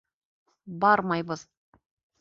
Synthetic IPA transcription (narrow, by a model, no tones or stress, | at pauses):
bɑɾmɑjbɤz̥